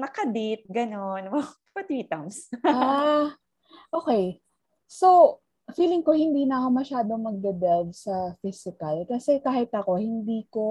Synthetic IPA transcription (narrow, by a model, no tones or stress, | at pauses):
nɐkɐd̪ɪt̪̚ɡɐnonwɐ | pɐt̪iːt̪ɐmsa | ʔoːkej | so̞w | fiːlɪŋko̞hɪnd̪iːnɐɐko̞mɐʃaːd̪o̞mɐɡ̚d̪ɐd̪ɛd̪̚sɐfisɪkɐlkɐsɛkaːhɪt̪ɐko̞hɪnd̪iːko̞